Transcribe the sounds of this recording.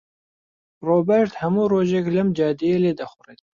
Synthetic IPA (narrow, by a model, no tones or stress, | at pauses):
roːbɛɾt̪hɐmuːroːʒeklɐmd͡ʒɑːd̪ijeleːd̪ɐxʊret̪̚